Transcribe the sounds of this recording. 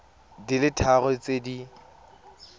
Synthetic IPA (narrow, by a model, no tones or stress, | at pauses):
dilɪtʰaɣɔt͡sedi